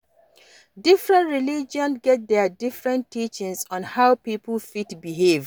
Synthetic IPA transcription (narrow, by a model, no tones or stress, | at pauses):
difɹɛ̃ntɹilid͡ʒɔ̃nɡɛt̚ðɛdifɹɛ̃ntːit͡ʃɪ̃ŋsɔ̃nhaʊpipəlfitbiɦev